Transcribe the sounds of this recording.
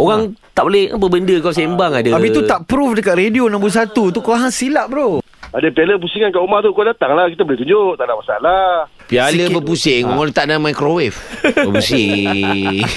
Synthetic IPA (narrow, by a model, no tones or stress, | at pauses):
oɣaŋ | t̪aʔbolɛha̰bəbəndəkas̬embaŋadəapit̪uaʔpɾufdəkat̪ɾedionambus̬at̪ut̪̬ukoaɦaŋsilaʔbɾo | adəpialəp̬usiŋankaʔumaht̪ukodat̪aŋlahkit̪əboleht̪uɲd͡ʒoʔt̪aʔnaʔmasa̰la | pialəbəpusɪŋoŋalt̪aʔnamajkɾowɛfəpusi